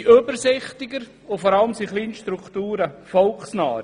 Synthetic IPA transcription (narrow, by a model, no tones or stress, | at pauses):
ʔøbəɾsɪχt̪ɪɡəɾ | ʊfɔɾɑləmsiχliːnʃtɾukχtuːɾəfɔlksnɑːɾ